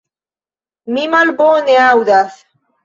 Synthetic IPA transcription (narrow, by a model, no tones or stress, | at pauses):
mimalboneawðaθ